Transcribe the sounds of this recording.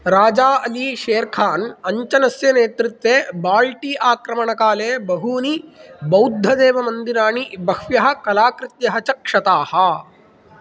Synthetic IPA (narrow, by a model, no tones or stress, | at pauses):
ɾaːd͡ʒaːʔɐliːʃeːɾkʰaːnɐɲt͡ʃɐnɐsjɐneːt̪ɾit̪ʋeːbaːlʈiːʔaːkɾɐmɐɳɐkaːleːbɐɦuːnibɐwd̪ʱːɐd̪eːʋɐmɐnd̪inaːɳibɐhʋjɐɦɐ̆kɐlaːkɾɪt̪jɐɦɐt͡ʃɐkʂɐt̪aːhɐ